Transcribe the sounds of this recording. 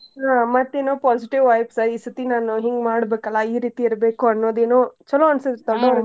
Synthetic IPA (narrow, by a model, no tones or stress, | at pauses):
ɦaːmɐt̪ːeːnoːpaːsiʈiʋːɐjpsɐisit̪inaːnuɦiŋɡmaːɽbeːkɐlːɐiːɾiːt̪iiɾɐbeːkuɐnːoːd̪eːnoːt͡ʃɐlːoɐnsɐt̪ɔɽoɾ